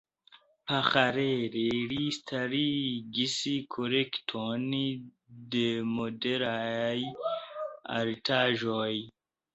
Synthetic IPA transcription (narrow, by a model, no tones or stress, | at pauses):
pʰaxaɾeɾeɾist̪ʰaɾiɡisikʰoɾektʰoni | d̪emodeɾajj | a̰ɾit̪ʰaːʒoj